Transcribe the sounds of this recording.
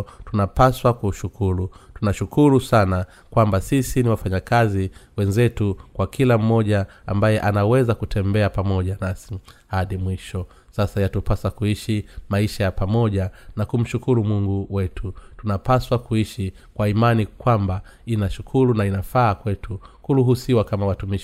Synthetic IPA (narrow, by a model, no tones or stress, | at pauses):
tunapaswakuʃukʰuɾutunaʃukuɾusana | kwambasisiniwafaɲakaziwɛnzɛtukwakʰilam̩mɔʄaambajɛʔanawɛzakutʰɛmbɛapamɔʄanasihaɗimwiʃɔ | sasajatupasakuiʃimaiʃajapamɔʄanakum̩ʃukuɾumuŋɡuwɛtʰutunapaswakuiʃi | kwaimanikwamba | inaʃukʰuɾunainafaːkwɛtʰukuɾuɦusiwakamawatumiʃi